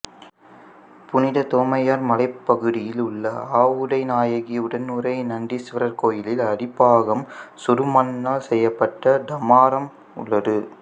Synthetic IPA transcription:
pʊnɪðɐt̪oːmɐjaːɾmɐlɐɪpːɐɣɯðɪjɪlʊɭːɐaːʋɯɽɐɪnaːjɐɣiʊɽɐnːuɾɐɪnɐɳɖisɪʋɐɾɐɾkoːjɪlɪlɐɽɪpːaːɣɐmsʊɾɯmɐnːaːlsɛjːɐpːɐʈːɐd̪ɐmaːɾɐm | ʊ̰ɭːɐðɯ

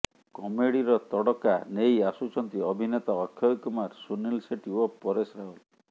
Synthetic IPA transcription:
kɔmeɽiɾɔt̪ɔɽɔkanejasut͡ʃɔnt̪iɔbʱinet̪ɔːkʰjɔjkumaɾsunilseʈiwɔpːɔɾesɾaɦɔl

